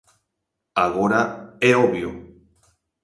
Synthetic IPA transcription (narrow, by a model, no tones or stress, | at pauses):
aɣoɾaeoβio